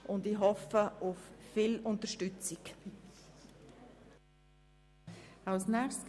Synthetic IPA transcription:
ʊndiɦɔfəʊffilʊntəʃtʏt͡sɪk | aʊsnɛxstk

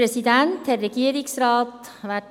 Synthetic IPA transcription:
ɾɛsɪd̪ɛnt̪ʰɛɾɛkiːɾɪksɾɑːt̪ | ʋæʈ

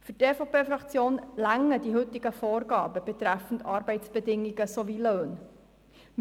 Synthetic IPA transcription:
fyrteːfopeːfrɑkt͡sjoːnlæŋːədiɦɵtɪɡəfoːrɡɑːbəb̥et̪ɾæfən̩tɑːɾbɛɪtsb̥edɪŋːiɡəsoviløːn | m

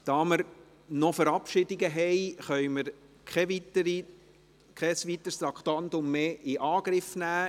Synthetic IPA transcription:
d̥ɑːməɾ | nɔfəɾɑpʃɪdɪɡəɦɛɪχœɥməɾ | kʰɛʋitəɾi | kʰɛsʋit̪əɾst̪ɾɑkt̪ɑnt̪ʊmːeːʔɪʔɑːɡ̥ɾɪfnæː

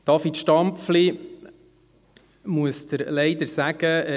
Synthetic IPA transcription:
d̪̥ɑfit̪ʃtɑmpfli | muəsd̥̪əɾlɛɪd̪əɾsæɡ̥ə

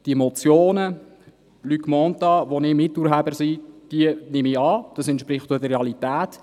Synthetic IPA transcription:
d̥iemɔt͡sjoːnə | lykmɔntɑʋonɪmɪtːuɾɦæbəɾsid̥iənɪmiɑːd̥ɑsɛnt̪ʃpɾɪχtudəreɑlitæːt

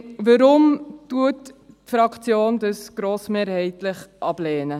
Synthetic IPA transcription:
ʋəɾʊmtuət | fɾɑkt͡sjoːnd̪əsɡ̥ɾoːsmeːɾhɛɪtlɪχʔɑb̥lɛːnə

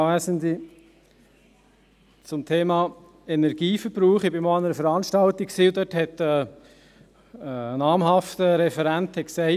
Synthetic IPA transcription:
væsənd̪i | t͡sʊmt̪ʰeːmɑː | ɛnɛɾɡ̥iːfəɾb̥ɾuːχɪb̥ɪmɔɑnəɾəfəɾɑnʃtɑltiksiːʊd̪œthɛt̪ɛː | ənɑːmɦɑft̪əɾɛfɛɾænthɛksæɪ

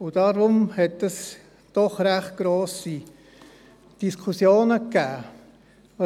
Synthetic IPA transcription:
ʊd̥ɑɾʊmhɛtəs | d̥ɔχɾæχt̚ɡ̥ɾoːsi | d̥iskʰusjoːnəkːæː

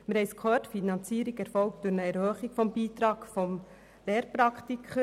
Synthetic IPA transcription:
məɾhɛɪskʰχøːtfinɑnt͡siːɾikɛɾfɔlk̚t̚d̥ʊɾnəɛɾhøːχɪɡfɔmbiːtɾɑːɡ̥fɔm | leːɾpɾɑkʰtikʰχə

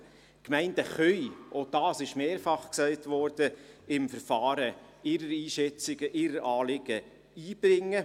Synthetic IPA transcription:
kmæɪnd̥əχœʏod̥ɑːsɪʃmeːɾfɑχksæɪtʋɔɾd̥əɪmfəɾfɑːɾə | ɪɾəɾiːʃɛt͡sɪɡəʔɪɾəɾʔɑːlɪɡ̥ə | iːb̥ɾɪŋːə

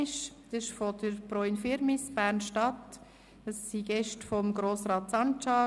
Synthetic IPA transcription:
ɪʃd̪̥ɪɪʃfɔd̥əɾb̥ɾɔinfɪɾmɪsb̥æːɾnʃtɑt | əssiɡɛʃtfɔmɡɾoːsɾɑːt̪sɑnt͡ʃɑː

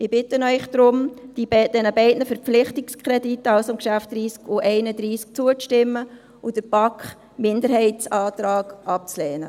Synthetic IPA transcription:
ɪb̥ɪtənœʏχd̥̪ɾʊmd̥ibɛd̥ɛnəbɛɪdnəfɛɾpp͡flɪχtɪkskʰχɾɛditːəɑwsɪmkʃæftd̥ɾiːskuʔɛɪnəd̪ɾiːsk̚t͡suət͡sʃtɪmːə | ʊd̥əɾb̥ɑkχ | mɪndəɾhɛɪtsɑːt̪ɾɑːɡʔɑp̚t͡slɛːnə̰

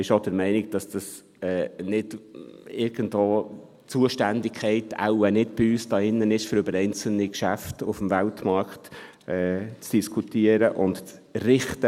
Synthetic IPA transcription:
ɪʃod̥əɾmɛɪnɪk̚d̥ɑsd̥ɑs | ɛːnɪdɪɾɡ̥ən̩dvoː | t͡suəʃtændɪkʰχɛɪta̰ʊənɪtb̥ɪyːsd̥ɑːɪnːənɪʃføɾʏbəɾɛɪnt͡sl̩nikʃæftʊfmvæltmɑɾkχt | ɛːt͡sd̥iskʰutiəɾəʔʊntt͡srɪχtə

